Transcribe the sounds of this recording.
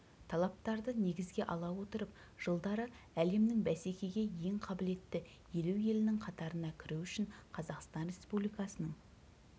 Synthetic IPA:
t̪ʰɑlˠɑp̚t̪ɑɾd̪əne̞ɡʲɪzɡʲe̞ʔɑlˠɑwo̞t̪əɾəp̚ | ʒ̥əlˠd̪ɑɾə | æle̞mnɪŋbæse̞kʲe̞ɡʲe̞je̞ŋqʰɑbɪle̞t̪ːɪ | je̞lewje̞lɪnɪŋqʰɑt̪ɑɾənɑkʲʰɪɾuwʏʃɪɴqʰɑzɑqst̪ɑnre̞spublijkɑsənəɴ

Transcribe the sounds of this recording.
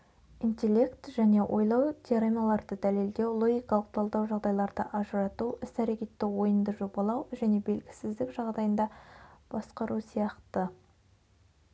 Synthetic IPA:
int̪ʲe̞lʲːe̞kt̪ʒ̥æne̞wʔo̞̰jlˠɑwt̪ʲʰeɾemʲɑlˠɑɾd̪əd̪æle̞ld̪e̞wlˠo̞ɡʲijkɑlˠəq̚t̪ʰɑlˠd̪ɑwʒɑʁd̪ɑjlˠɑɾd̪əʔɑʒəɾɑt̪uʔɪst̪æɾe̞kʲe̞t̪ːɪwo̞jənd̪əʒobɑlˠɑwʒæne̞be̞lɡʲɪ̥sɪzd̪ɪkʒɑʁd̪ɑjənd̪ɑb̥ɑsqɑɾusijɑqt̪ə

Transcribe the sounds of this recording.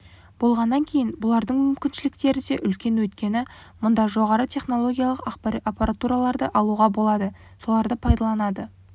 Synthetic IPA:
bo̞lˠʁɑnːɑŋkʲʰe̞jɪnbʊlˠɑɾd̪əɴmʏmkʲɪnʃɪlɪk̚t̪e̞ɾɪd̪e̞ʔʏlkʲe̞nwɵt̪kʲe̞nɪmʊnd̪ɑʒo̞ʁɑɾət̪ʰe̞χno̞lˠo̞ɡʲijalˠəqɑqpapaɾat̪uɾalˠɑɾd̪əʔɑlˠuʁɑbo̞lˠɑd̪ə | so̞lˠɑɾd̪əpʰɑjd̪ɑlˠɑnɑd̪ə

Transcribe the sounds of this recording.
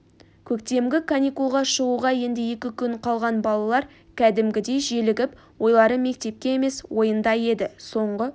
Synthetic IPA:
kʲʰɵkt̪e̞mɡʲɪkʰanʲijkulˠʁɑʃəʁuʁɑje̞nd̪ɪje̞kʲɪkʲʰʏɴqʰɑlˠʁɑnbɑlˠɑlˠɑɾ | kʲʰæd̪ɪmɡʲɪd̪e̞jʒelɪɡʲɪp | wo̞jlˠɑɾəme̞k̚t̪e̞p̚kʲe̞eme̞swo̞jənd̪ɑje̞d̪ɪso̞ɴʁə

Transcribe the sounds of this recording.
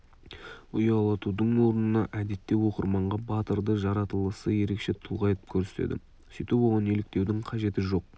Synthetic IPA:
ʊjɑlˠɑt̪ud̪əɴwo̞ɾənənɑʔæd̪e̞t̪ːe̞wo̞qəɾmɑɴʁɑbɑt̪əɾd̪əʒɑɾɑt̪əlˠəsəje̞ɾe̞kʃe̞t̪ʰʊlˠʁɑjt̪ə̥p̚kʲʰɵɾse̥t̪ḛd̪ɪ̰ | sijt̪epwoʁɑne̞lɪk̚t̪e̞wd̪ɪŋqʰɑʒe̞t̪ɪʒo̞q̚

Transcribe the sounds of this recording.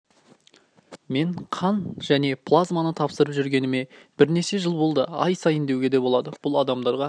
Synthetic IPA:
me̞ɴqʰɑnʒ̥æne̞pʰlˠazmanət̪ʰɑpsəɾəpʒʏɾɡʲe̞nɪme̞b̥ɪɾne̞ʃe̞ʒəlˠbo̞lˠd̪əɑ̰jsɑjɪnd̪e̞wɡʲe̞d̪e̞bo̞lˠɑd̪əb̥ʊlˠɑd̪ɑmd̪ɑɾʁɑ

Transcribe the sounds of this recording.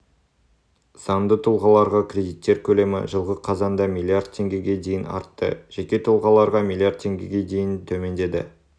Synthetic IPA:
sɑmd̪ət̪ʰulˠʁɑlˠɑɾʁɑkʲrʲe̞d̪ijt̪ːe̞ɾkʲʰɵle̞mɪ̰ʒəlˠʁəqʰɑzɑnd̪ɑmilʲˠiard̪̚t̪ʰe̞ŋɡʲe̞ɡʲe̞d̪e̞jɪnɑ̰ɾt̪ːə̰ʒ̥ekʲe̞t̪ʰʊlˠʁɑlˠɑɾʁɑmilˠiard̪̚tʰe̞ŋɡʲeɡʲe̞d̪e̞jɪnt̪ʰɵme̞nd̪e̞d̪ɪ̰

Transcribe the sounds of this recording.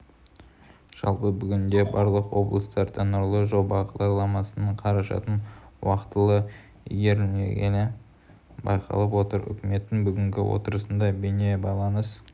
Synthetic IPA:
ʒ̥ɑ̰lˠpəbʏɡʲɪnd̪e̞bɑɾlˠəqwo̞blˠəst̪ɑɾt̪ʰenʊɾlˠəʒo̞bɑqd̪ɑɾlˠɑmɑsənəɴqʰɑɾɑʃɑ̰t̪ənwɑqt̪əlˠə̰ | ɡʲe̞ɾḛɡʲenɪ | bɑ̰jqʰɑ̰lˠəpwo̞t̪əɾʏ̰kʲɪme̞t̪ːɪŋbʏɡʲɪŋɡʲɪwo̞̰t̪əɾəsənd̪ɑbene̞bɑjlˠɑnəs

